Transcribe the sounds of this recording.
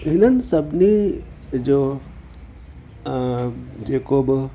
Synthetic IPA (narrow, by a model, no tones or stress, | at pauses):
ɦinɐnsɐbni | d͡ʒoː | d͡ʒeːkoːb